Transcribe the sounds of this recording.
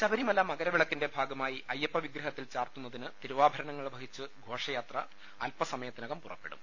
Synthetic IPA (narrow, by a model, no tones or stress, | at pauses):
ɕɐbɐɾimɐlːaːmɐɣɐɾɐʋiɭɐkːinde̞bʱaːɡɐmaːjiʔɐjːɐpːɐʋiɡɾɐɦɐt̪ːilt͡ɕaːrt̪unːɐðinɨt̪iɾuʋaːbʱɐɾɐɳɐŋːɐɭbʱɐɦit͡ɕːɨɡʱo̞ːʂɐjaːt̪rɐ | ɐlpɐsɐmɐjɐt̪ːinɐɣɐmpurɐ̰pːeɽṵm